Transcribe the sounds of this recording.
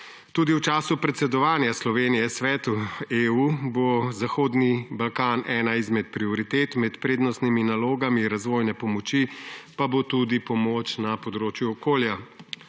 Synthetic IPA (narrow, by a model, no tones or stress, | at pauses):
t̪uːd̪iwt͡ʃaːsupɾɛt̪sɛd̪ɔʋaːnjaslɔʋenijɛsʋɛːt̪ueubozaxoːd̪nibalkaːnɛːnaizmɛt̪̚pɾiɔɾit̪eːt̪mɛt̪pɾeːd̪nɔst̪niminaloːɡamiɾazʋoːjnɛpɔmɔt͡ʃipabot̪ud̪ipɔmoːt͡ʃnapɔd̪ɾoːt͡ʃjuɔkoːlja